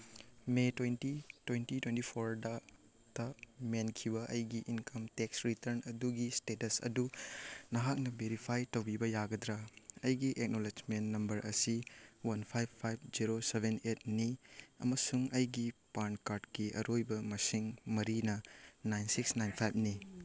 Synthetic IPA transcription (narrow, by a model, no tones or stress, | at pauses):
metwentitwentitwentipʰoɾda | tɐmenkʰibɐʔɐjɡiʔinkɐmteksɾitɐɾnɐduɡistetɐsɐ̰dunɐɦak̚nɐbeɾipʰajtɐwbibɐjaɡɐd̪ɾɐɐjɡiʔek̚noled͡ʒmentːɐmbɐɾʔɐsiwɐnpʰajbʰːajb̚d͡ʒiɾosebenet̚niɐ̰mɐsuŋɐjɡipankaɾdkiʔɐ̰ɾojbɐmɐsiŋmɐɾinɐnajnsiksnajnpʰajb̚ni